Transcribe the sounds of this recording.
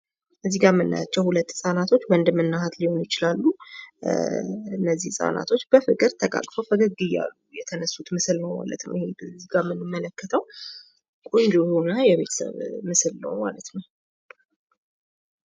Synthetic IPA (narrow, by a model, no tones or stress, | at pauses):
ʔɨzːiɡamɨnːa̰at͡ʃːɛwhulət̪ːsʼanat̪ʰo̞t͡ʃːwənd̪ɨmɨnːahat̪liho̞njɪt͡ʃɪlalːu | ɨnːəzːihsʼa̰na̰t̪ʰo̞t͡ʃːb̥əfɨkʼɨɾt̪ʰəkʼa̰kʼfəwfəɡəɡɨjːa̰lːujɛt̪ʰənəsːut̪mɨsɨlnəwma̰lə̰t̪nə̰wʔɪhebziɡamɨnːɨmːələkːət̪ʰəw | kʼund͡ʒ̪uunajɛβe̞t̪ʰə̥sə̰βmɨsɨlnə̰wma̰lət̪nəw